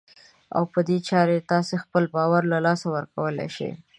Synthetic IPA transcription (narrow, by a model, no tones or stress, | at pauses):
a̰wpəd̪et͡ʃɑɾet̪ɑsexpəlbɑwaɾlalɑsawəɾkawəlḛʃḛj